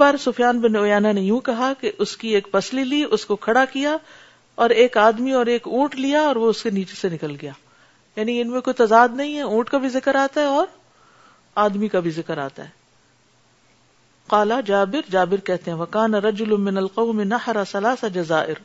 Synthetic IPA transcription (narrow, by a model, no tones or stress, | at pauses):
baːɾsʊfjaːnbɪnoːjaːnanejũkɐɦakeʔʊskieːkpɐsliliʔʊskokʰɐɽakija | ɔːɾeːkaːd̪miɔːɾeːkũːʈlijaɔːɾʋoʊskeniːt͡ʃesenɪkəlɡɐjaː | jaːniɪnmẽkoit̪ɐzaːd̪nɐɦĩɦɛũːʈkabʱizɪkəɾaːt̪aɦɛɔːɾ | aːd̪mikabʱizɪkəɾa̰ːt̪a̰ɦɛː | qaːlad͡ʒaːbɪɾd͡ʒaːbɪɾkɛɦt̪eɦɛ̃ʋɐkaːnaɾɐd͡ʒʊlʊmɪnɐlqɐʊmɪnɐħɾasɐlaːsad͡ʒɐzaːʔɪɾ